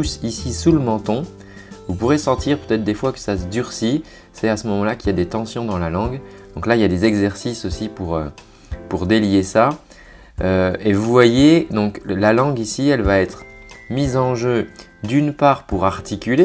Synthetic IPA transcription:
usisisuləmɑ̃t̪ɔ̃ | vupuʁesɑ̃t̪iʁpøt̪ɛt̪χd̪efwakə̥sasəd̪yʁsi | sɛasəmɔmɑ̃lakiljad̪et̪ɑ̃sjɔ̃d̪ɑ̃lalɑ̃ɡd̪ɔ̃klailjad̪ezɛɡzɛʁsisosipuʁø | puʁd̪eljesa | øevuvwajed̪ɔ̃klalɑ̃ɡisiɛlvaɛt̪χmizɑ̃ʒød̪ynpaːʁpuʁaʁt̪ʰikʲyle

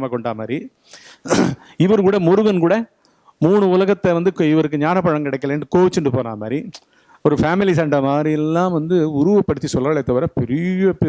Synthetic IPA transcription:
maːkɔɳɖaːmaːd̪ɾi | ɪʋɐɾkuːɽɐmɔɾɯʋɐnkuːɽɐ | muːɳɯʊlɐɣɐt̪ːɛʋɐnd̪ɯkɪʋɐɾɯkːɯɲaːnɐpːɐɻɐŋkɪɽɐɪkːɐlɐnɳɖɯkoːʋɪt͡ʃːɪnɳɖɯpoːnaːmaːd̪ɾi | ɔɾɯfaːmɪlis̬ɐɳɖɐmaːdɾijɛlːãːʋɐnd̪ɯʊɾʊʋɐpːɐɽɯt̪ːisɔlːaːɭɐt̪ːɐʋɐɾɐpɛɾɪɣɐpɛ

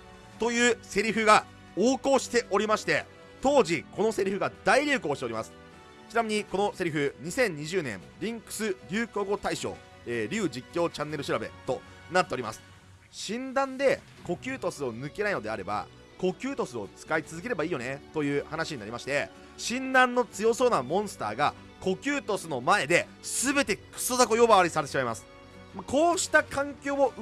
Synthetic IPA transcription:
t̪o̞jɯ̟ːse̞ɾʲiɸɯ̟ɡa | oːko̞ːɕi̥t̪e̞ʔo̞ɾʲimaɕi̥t̪e̞ | t̪o̞ːʑiko̞no̞se̞ɾʲiɸɯ̟ɡad̪aiɾʲɨːko̞ːɕit̪e̞oɾimasɨ̥ | t͡ɕinamʲiɲ̟iko̞no̞se̞ɾʲiɸɯ̟ɲ̟isẽ̞ɲ̟ːiʑɨːnẽ̞ɴɾʲĩŋkɯ̟̥sɨɾʲɨːkoɡo̞t̪aiɕo̞̰ː | eːɾʲɨːd͡ʑikʲːo̞ːt͡ɕãnːe̞ɾɯ̟ɕiɾabe̞̰t̪o̞ | nat̪ːe̞o̞ɾʲima̰sɨ̥ | ɕĩnd̪ãnd̪e̞ | ko̞kʲɨːt̪o̞sɨo̞nɯ̟ke̞naino̞d̪e̞aɾe̞ba̰ | ko̞kʲɨːt̪o̞sɨo̞̰t͡sɨ̥kait͡sɨzɨk̬e̞ɾe̞baiːjo̞ne̞t̪o̞jɯ̟ːhanaɕiɲ̟inaɾʲimaɕi̥t̪e̞ | ɕĩnd̪ãnːo̞t͡sɨjo̞so̞ːnamõ̞ɰ̃sɨ̥t̪a̰ːɡa | ko̞kʲɨːt̪o̞sɨno̞mae̞d̪e̞ | sɨbe̞t̪e̞kɯ̟̥sozako̞jo̞baβaɾʲisaɾet̪eɕimaimasɨ̥ | mako̞ːɕi̥t̪akãŋkʲo̞ːmo

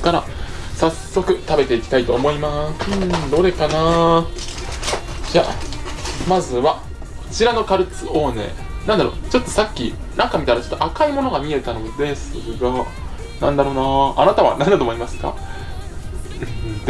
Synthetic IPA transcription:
kaɾa | sasːo̞kɯ̟t̪abe̞t̪e̞ikʲi̥t̪ait̪o̞ːmo̞imaɯ̃d̪o̞ːɾe̞kanaː | d͡ʑa̰ | mazɨβa | t͡ɕiɾano̞kaɾɯ̟t͡sɨʔo̞ːne̞̰ː | nãnd̪aɾo̞̰t͡ɕo̞t̪ːo̞sakʲːinãŋkamʲit̪aɾat͡ɕo̞t̪ːoʔakaimo̞no̞ɡamʲie̞t̪ano̞d̪e̞sɨ̰ɡa | nãnd̪aɾo̞naːnat̪aβa̰nãnd̪at̪omoimasɨ̥ka̰ | ɯ̃d̪

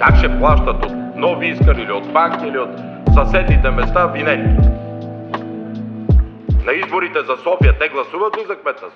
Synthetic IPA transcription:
kakʃɛplˠaʃt̪ɐt̪ot̪nɔviiskəɾiliot̪fakt̪iiliot̪ | sɐsɛd̪nit̪ɛmɛst̪avinɛt̪i | nɐizboɾit̪ɛzɐsɔfijət̪ɛɡlˠɐsuvɐt̪lizɐkmɛt̪nəs

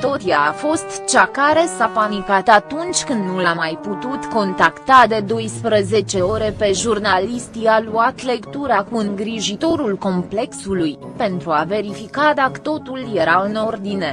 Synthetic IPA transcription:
t̪o̞t̪jaːfo̞st̪t͡ʃakaɾe̞sapanikat̪at̪unt͡ʃʲkɨnd̪nulamːajput̪ut̪ko̞nt̪akt̪ad̪e̞d̪o̞jspɾəze̞t͡ʃe̞o̞ɾe̞pe̞ʒurnalist̪ialuat̪le̞kt̪uɾakuɨŋɡɾiʒit̪o̞ɾulko̞mple̞ksuluj | pe̞nt̪ɾuave̞ɾifikad̪akə̥t̪o̞t̪ulje̞ɾaɨno̞rd̪ine̞

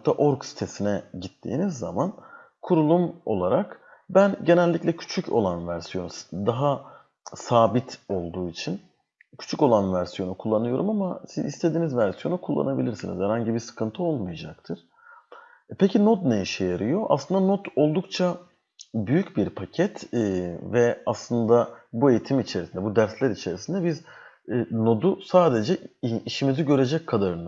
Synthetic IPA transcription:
t̪ʰːaʔo̞ɾksi̥t̪ʰe̞sinɛɟit̪ʰːḭːnizːa̰man | kʰuɾulˠumo̞̰lˠaɾakbænɟe̞nɛlʲːicʲlʲɛcʰy̥t͡ʃʰycʰo̞̰lˠanvæɾsijo̞nsd̪aɦa | saːbit̪ʰo̞lˠd̪uːit͡ʃʰin | cʰy̥t͡ʃʰyco̞lˠanvæɾsijo̞nukʰulˠːanɯjo̞ɾumamasizḭst̪ʰe̞d̪iːnizvæɾsijo̞nukʰulˠːa̰nabilʲiɾsiniz̥hæɾhaɲɟibiɾsɯ̥kʰɯnt̪ʰɯo̞lˠmujad͡ʒak̚t̪ʰɯɾ̥ | pʰecʰinot̪neiʃejeɾɯjo̞ʔa̰slˠɯnd̪anot̪o̞lˠd̪ukt͡ʃʰa | byjycbiɾpʰacʰɛt̪ːvɛaslˠɯnd̪abue̞jit̪ʰimit͡ʃʰe̞ɾisind̪ɛbud̪æɾslʲæɾit͡ʃʰe̞ɾisind̪ɛbiz | no̞d̪usaːd̪e̞d͡ʒɛiʃimiziɟø̞ɾe̞d͡ʒɛckʰːad̪aɾɯna

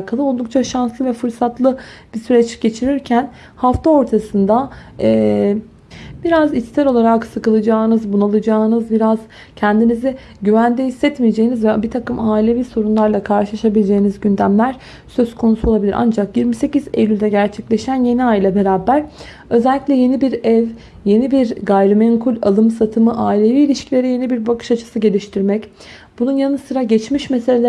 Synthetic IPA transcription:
kʰalˠɯo̞lˠd̪uk̚t͡ʃʰaʃanslˠɯvɛfɯɾsat̪ʰlˠɯb̥isyɾɛt͡ʃɟ̥e̞t͡ʃʰiɾiɾcʰæn | haft̪ʰao̞ɾt̪ʰasɯnd̪aɛː | biɾazist̪ʰɛɾo̞lˠaɾaksɯkɯlˠɯd͡ʒaːnɯzbunalˠɯd͡ʒaːnɯzbiɾaz̥ | cʰɛnd̪inizi | ɟyvænd̪ɛhisːɛt̪mijed͡ʒe̞jinizvɛbit̪ʰakɯmaːilʲe̞viso̞ɾunlˠaɾlˠakʰaɾʃɯlˠaʃabilʲed͡ʒe̞jinizɟynd̪æmlʲæɾ̥ | sø̞zkʰo̞nusuoabilʲiɾʔa̰nd͡ʒakjiɾmise̞cizḛjʲylʲd̪ɛɟæɾt͡ʃʰɛclʲe̞ʃænje̞niajlʲˠabe̞ɾaːbæɾ̥ | ø̞zɛlʲːiclʲɛje̞nibiɾɛv | je̞nibiɾɡajɾɯmɛŋkʰulʲa̰lˠɯmsat̪ʰɯmɯʔaːilʲe̞viːlʲiʃcʰilʲe̞ɾije̞nibiɾbakʰɯ̥ʃat͡ʃʰɯ̥sɯɟe̞lʲiʃt̪ʰiɾmɛc | bununjanɯsɯɾaɟɛt͡ʃmiʃmeselʲelʲ

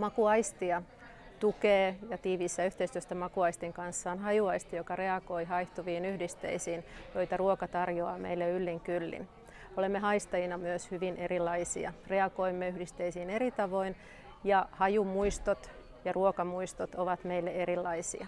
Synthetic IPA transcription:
mɑkuɑist̪iɑ | t̪ukeːjɑt̪iːʋiːsːæyht̪eist̪yøst̪æmɑkuɑist̪iŋkɑnsːɑːnɦɑjuɑist̪ijokɑreɑɡoiɦɑiht̪uʋiːnyhdist̪ḛisiːnjo̞it̪ɑruokɑt̪ɑrjoɑːmḛilːeylːiŋkylːḭn | olemːeɦɑist̪ɑjinɑmyøshyʋinʔerilːɑisḭɑ̰reɑɡoimːeyhdist̪eisiːneɾit̪ɑʋo̞in | jɑhɑjumuist̪ot̪ | jɑruokɑmuist̪ot̪oʋɑt̪meilːeeɾilːɑisḭɑ

